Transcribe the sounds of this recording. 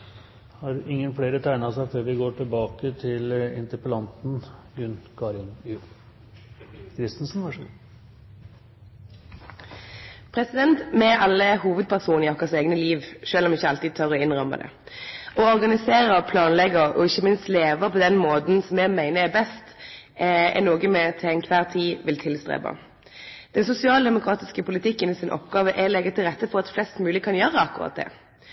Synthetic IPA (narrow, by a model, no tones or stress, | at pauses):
hɑɾɪŋːənfɽeːɾət̪ʰæɪnəɑsæɪføːɾʋɪɡoːʈʰɪlbɑːkət̪ʰɪlɪ̰nt̪əpəlɑnt̪n̩ɡʉnkʰɑɾɪnʉ | kʰɾɪst̪nsn̩ʋɑʂəɡʉ̰ | pʰɾɛsɪd̪ɛnt̪mɛʔɑlːəhuːʋəd̪̚pʰæʁsuːnɪɔkəseːɡnəliːʋʃøːlɔmɪçːəɑlt̪iːd̪̚t̪ʰœʁɔɪnʁɔmə̰d̪ɛ̰ | ɔɔʁɡɑnɪseːʁəpʰlɑːnlɛɡəʁɔ̰ɪçːəmɪnst̪leːʋəpʰɔd̪ɛnmoːd̪n̩sɔmjɛɡmæɪnəɛbɛst̪ | ɛ̰noːɡəmɛt̪ʰɛɪnkʰʋæːʁt̪ʰiːʋɪlt̪ʰɪlst̪ʁḛːbɑ̰ | d̪̥ɛnsʊsɪɑːld̪ɛmʊkʰʁɑːt̪ɪskəpʊlɪt̪ʰɪkːənɪsɪnʔɔ̰pɡɑːʋəʔɛlɛɡət̪ʰɪlʁɛt̪ːəfɔʁɑt̪flɛst̪mʉːɪkʰɑnjøːʁəɑkːʊɾʁɑ̰ːt̪̚d̪ɛ̰ː